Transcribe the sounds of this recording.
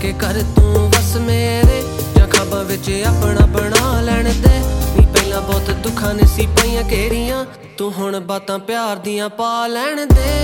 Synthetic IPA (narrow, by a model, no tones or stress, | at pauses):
kekəɾt̪ũːʋəsmeːɾeː | d͡ʒãːkʰaːbãːʋɪt͡ʃːaːpɳaːbəɳaːlɛːɳd̪eːʋĩːpɛilãːbɔːt̪d̪ʊkʰːãːneːsiːpaːiːãːkeːɾɪjãː | t̪õːɦʊɳbaːt̪ãːpɪjaːɾd̪ijãːpaːlɛːɳd̪eː